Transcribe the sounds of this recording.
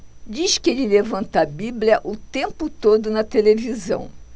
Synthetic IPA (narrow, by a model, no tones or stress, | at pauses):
d͡ʒiʃkɪelɪlevɐ̃nt̪ɐbiblʲiɐʔʊt̪ẽmpʊt̪od̪ʊnɐt̪elevizɐ̰̃w̃